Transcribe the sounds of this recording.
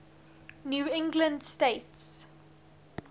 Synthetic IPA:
njuːɪ̃ŋɡlə̃ndsteɪts

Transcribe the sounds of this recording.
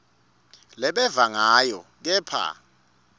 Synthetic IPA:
lɛɓɛvaŋajɔk̬ɛːpʰa̰

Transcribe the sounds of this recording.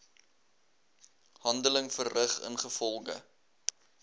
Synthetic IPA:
hɐndələŋfərrəχə̰nχəfɔlˠɡə̰

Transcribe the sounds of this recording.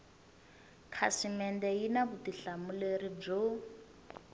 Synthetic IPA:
kʰasimɛndɛjinabutiɬamulerib͡ʐo

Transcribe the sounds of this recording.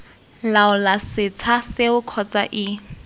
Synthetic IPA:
laʊlasɪt͡sʰaseʊkʰɔt͡sʼa̰ʔɪ

